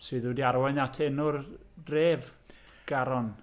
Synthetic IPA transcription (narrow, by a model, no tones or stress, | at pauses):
sɨːðɨdiaɾwɛnatʰɛnʊrdreːv | ɡ̥aɾɔn